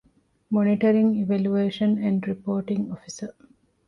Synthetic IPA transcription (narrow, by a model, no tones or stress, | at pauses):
moniʈɐɾĩŋiʋæljueːʃə̃næ̃ɳɖɾipoːʈĩŋofisə